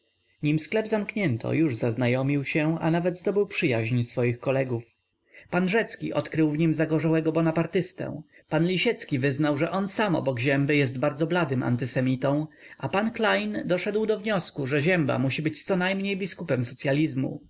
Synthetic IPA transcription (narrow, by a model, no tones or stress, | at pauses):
ɲimsklɛbzamkɲɛnt̪ʰɔ̰juʐzaznajɔmʲiwɕɛa̰navɛd̪zd̪ɔbɘwpʂɘjaʑɲsfɔjixkɔlɛɡuf | panʐɛt̪skʲḭʔɔt̪kɾɘwvɲimzaɡɔʐawɛɡɔbɔnapaɾt̪ɘst̪ɛ̰̃w̃ | panlʲiɕɛt̪skʲivɘznawʐɛʔɔnsamɔ̰bɔɡʑɛmbɘjɛst̪̚baɾdzɔblad̪ɘma̰nt̪ɘsɛmʲit̪ɔ̃w̃ | ʔapanklajnd̪ɔʂɛd̪wd̪ɔvɲɔskuʐɛʑɛmba̰muɕibɘt͡ɕt̪sɔnajmɲejbʲiskupɛmsɔt̪sʲjalʲizmṵ